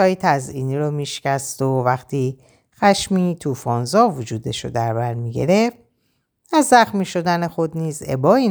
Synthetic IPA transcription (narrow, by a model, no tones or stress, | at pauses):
ɒːjit̪ʰæziːniːɾomiːʃcæst̪ovæxt̪ʰiː | xæʃmiːt̪ʰuːfɒːnzɒːvod͡ʒuːd̪e̞ʃo̰d̪æɾbæɾmiːɟḛɾe̞ft̪̚ | æzːæxmiːʃo̞d̪æne̞xo̞d̪niːze̞̰bɒːi